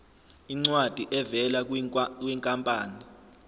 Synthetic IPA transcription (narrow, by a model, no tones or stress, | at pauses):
iŋ͡ǀwad̥ʱiʔɛvɛlakʼwiŋkʼampʼaːni